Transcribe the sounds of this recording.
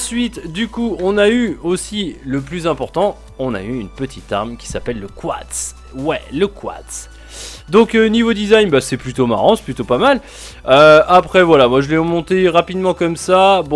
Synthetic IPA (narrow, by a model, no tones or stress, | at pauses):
sɥit̪d̪ykuɔ̃nayosiləplyzɛ̃pɔʁt̪ɑ̃ | ɔ̃na̰yːnpət̪ʰit̪a̰ʁmkʲi̥sapɛlːəkwa̰t̪s | wɛləkwa̰t̪s | d̪ɔ̃knivod̪izajnbasɛplyt̪oma̰ʁɑ̃sɛ̥plyt̪opamal | øapχɛvwalamwaʒəlɛʁəmɔ̃t̪eʁapid̪mɑ̃kɔmsabɔ̃